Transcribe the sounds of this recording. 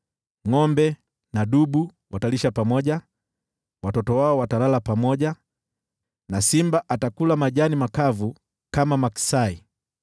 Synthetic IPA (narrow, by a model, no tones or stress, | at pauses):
ŋɔmbɛ | naɗuɓu | wataliʃapamɔʄa | watɔtɔwaɔwatalalapamɔʄa | nasimbaʔatakulamaʄanimakavu | kamamaksai